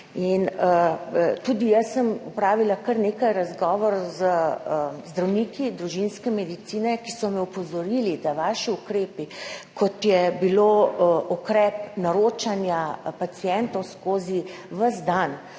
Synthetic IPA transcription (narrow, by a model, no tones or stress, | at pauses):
in | t̪ud̪ijəsːəmupɾaːʋilakəɾneːkajɾazɡɔːʋɔɾzə | zd̪ɾawnikid̪ɾuʒinskɛmɛd̪it̪siːnɛkisɔmɛupɔzɔɾilid̪aʋaːʃiukɾeːpikɔt̪jɛbiloʔukɾɛpnaɾoːt͡ʃanjapat̪sijɛnt̪ɔwskoːzi | ʋəzd̪an